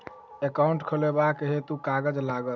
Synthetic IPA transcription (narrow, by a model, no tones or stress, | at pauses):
ekaũɳʈkʰəlebakeɦet̪ukaɡəd͡ʒlaɡəl